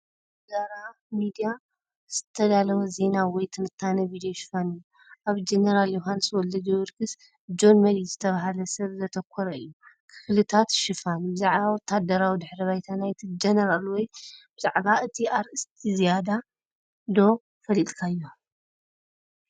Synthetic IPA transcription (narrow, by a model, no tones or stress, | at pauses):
zaɾa | mid̪ija | z̥ɨt̪ʰɐd̪alɐwɐze̞nawɔjt̪ʰɨnɨt̪ʰːanɐbid̪ijoʃɪ̥fanɨjːu | ʔaβd͡ʒenɐɾaljoɦanswɔlɐd͡ʒowɨɾɡɨs | d͡ʒo̞nmɐɾizɨt̪ʰɐβaɦalɐsɐβzɐt̪ʰɐkʷʰːɔɾɐɨjːukʰɨflɨt̪ʰat̪ʃɨfanbɨzaʕβawit̪ʰad̪ɐɾawid̪ɨħɾiβajt̪ʰanajt̪ʰid͡ʒɐnɐɾalwɔjb̥ɨzaʕbaɨt̪ʰiaɾɨst̪ʰizijad̪a | d̪o̞ | fɐlilkʰajːo